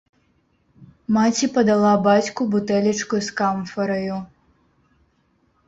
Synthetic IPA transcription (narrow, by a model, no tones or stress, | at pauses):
mat͡sʲipɐd̪alˠabat͡sʲkubut̪ɛlʲit͡ʂkujuskamfɐɾɐju